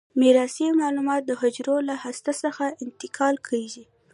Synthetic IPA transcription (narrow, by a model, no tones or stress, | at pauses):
miɾɑsimɑlumɑt̪̚d̪əɦʊd͡ʒɾolahast̪asəxaɪnt̪ɪkʰɑlkʰəzi